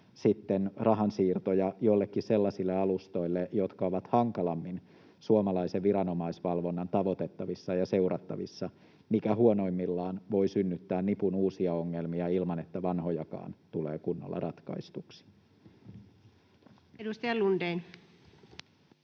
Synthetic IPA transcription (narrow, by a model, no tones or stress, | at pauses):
sit̪ːenrɑɦɑnsiːrt̪ojɑjo̞ilːekːise̞lːɑsilːeɑlust̪o̞ilːejo̞t̪kɑoʋɑt̪hɑŋkɑlɑmːin | suomɑlɑiseʋʋiɾɑno̞mɑisʋɑlʋo̞nːɑnt̪ɑʋo̞t̪e̞t̪ːɑʋisːɑjɑse̞urɑt̪ːɑʋḭsːɑ | mikæhuono̞imːilːɑːnʋo̞isynːyt̪ːæːnnipunuːsiɑo̞ŋːelmiɑilmɑne̞t̪ːæʋɑnho̞jɑkɑ̰ːnt̪ulḛːkunːo̰lːɑ̰rʔɑt̪kɑ̰ist̪uksi̥ | edust̪ɑjɑlunden